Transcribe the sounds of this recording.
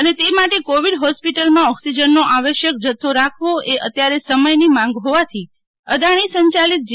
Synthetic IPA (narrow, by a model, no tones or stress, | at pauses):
ənet̪emaʈekoʋiɖɦɔspiʈəlmãɔksid͡ʒənːoʔaʋeʃjək̚d͡ʒət̪ʰːoɾakʰʋoʔeʔət̪jaɾesəməjnimãŋɡɦoʋat̪ʰi | əd̪aɽ̃isəɲt͡ʃalit̪̚d͡ʒ